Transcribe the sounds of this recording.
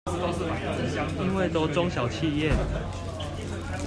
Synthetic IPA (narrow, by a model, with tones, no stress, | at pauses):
i˦nwe˥˨ɪt̪o˦t͡sɔ˦ŋɕjɑ˨˩ʊt͡ɕʰi˥˧jɛ˥˨